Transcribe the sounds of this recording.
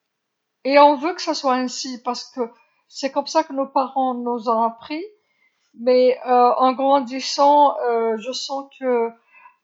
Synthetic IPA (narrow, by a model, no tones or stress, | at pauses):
eɔ̃vøkə̥saswaɛ̃sipaʁsə̥kə | sɛkɔmsakənopaʁɑ̃nuzɔ̃apχi | mɛøɑ̃ɡʁɑ̃d̪isɑ̃øʒəsɑ̃kʰə